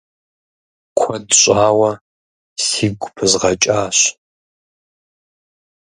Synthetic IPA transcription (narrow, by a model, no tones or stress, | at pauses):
kʷʰɔdɕʷʼaːwɐ | siːɡʷʊpʰɨzʁɐt͡ʃʼaːɕ